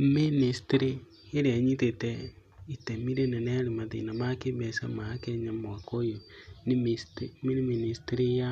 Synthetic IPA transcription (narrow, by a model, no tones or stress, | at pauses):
ministɾi | eɾeaɲitetɛ | itemiɾenɛnɛaɾemaðḛnamakebɛsamakɛɲamoakojonimistminiministeɾija